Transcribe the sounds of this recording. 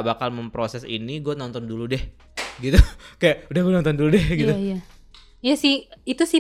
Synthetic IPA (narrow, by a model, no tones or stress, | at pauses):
bakalməmpɾosɛsḭniɡuanɔnt̪ɔnduludɛh | ɡit̪ukajaʔudahɡuanɔnt̪ɔnduludɛhɡit̪uja | jasɪhit̪usɪ